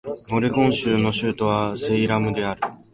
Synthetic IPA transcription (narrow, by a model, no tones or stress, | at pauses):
mo̞ɾeɡõ̞ɰ̃ɕɨːno̞ɕɨːt̪o̞βase̞iɾamɯ̟d̪e̞aɾɯ̟